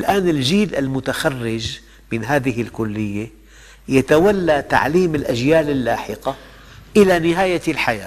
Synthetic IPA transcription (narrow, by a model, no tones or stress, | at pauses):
lʔaːnɪld͡ʒiːlʔalmʊt̪axarːɪd͡ʒ | mɪnɦaːðɪɦɪlkʊlːɪjːa | jat̪awalːat̪a̰ʕliːmɪlʔaʒjaːlɪlːaːħɪqa | ʔɪlanɪɦaːjalħaja̰ː